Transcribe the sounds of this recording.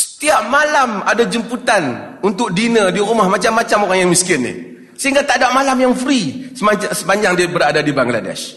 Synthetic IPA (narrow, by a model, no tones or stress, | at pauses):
sə̥t̪iap̚malamadad͡ʒəmput̪anunt̪ʊk̚dinədiɾumahmat͡ʃamːat͡ʃamoɾaŋjaŋmiskɪnːɪ̰h | səɦiŋɡat̪adaʔmalamjaŋfɾisəmaasəpaɲd͡ʒaŋdiabəɾadadibaŋɡla̰dɛ̰ʃ